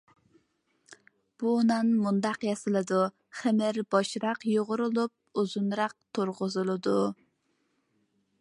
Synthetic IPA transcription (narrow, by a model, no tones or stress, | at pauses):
b̥unɑnmund̪ɑqjɛsɨlˠɨd̪u | χɛmɪɾbɑʃɾɑqjoʁʊɾulˠup̚uzunɾɑq̚t̪ʰoɾʁʊzɨlˠɨd̪u